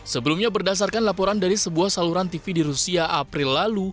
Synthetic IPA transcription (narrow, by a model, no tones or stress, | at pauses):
səbəlumɲabərdas̬arkanlapɔɾandaɾisəbuahsaluɾant̪ifidiɾusiaʔapɾɪlːalu